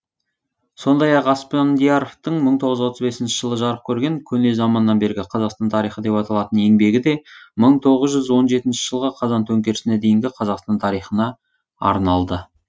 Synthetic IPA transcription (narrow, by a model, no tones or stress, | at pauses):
so̞nd̪ɑjɑqɑspond̪ijaɾoft̪əɴməɴt̪ʰo̞ʁəzwo̞t̪əzbe̞sɪnʃɪʒ̥əlˠəʒɑɾəq̚kʲʰɵɾɡʲe̞ŋkʲʰɵne̞zɑmɑnəːɑnbe̞ɾɡʲɪqʰɑzɑqst̪ɑnt̪ʰɑɾijχəd̪e̞pɑt̪ɑlˠɑt̪əne̞ŋbe̞ɡʲɪd̪e̞məɴt̪ʰo̞ʁəzʒʏzwo̞nʒe̞t̪ɪnʃɪ̥ʒ̥əlˠʁəqʰɑzɑnt̪ʰɵŋkʲe̞ɾɪsɪned̪e̞jɪŋɡʲɪqʰɑzɑqst̪ɑnt̪ʰɑɾijχənɑ | ɑ̰ɾnɑlˠd̪ə